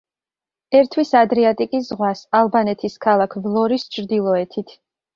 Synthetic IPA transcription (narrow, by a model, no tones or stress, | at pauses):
ɛɾt̪ʰwisad̪ɾiat̪ʼikʼiszʁwasalˠbanɛt̪ʰiskʰalˠakʰvlˠɔɾist͡ʃʰɾd̪ilˠɔɛt̪ʰit̪ʰ